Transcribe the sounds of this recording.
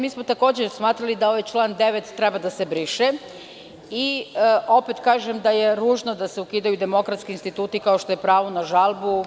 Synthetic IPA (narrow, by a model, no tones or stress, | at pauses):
miːsmo̞t̪ako̞ːd͡ʑesmaːt̪ɾalid̪ao̞ʋajt͡ʃlˠaːnd̪eʋet̪ːɾebad̪ase̞bɾiʃe | iʔo̞pet̪kaːʒemd̪ajeɾuːʒnod̪aseukiːd̪ajud̪e̞mo̞kɾat̪skiinst̪it̪uːt̪ikao̞ʃt̪o̞jepɾaːʋonaʒalˠbu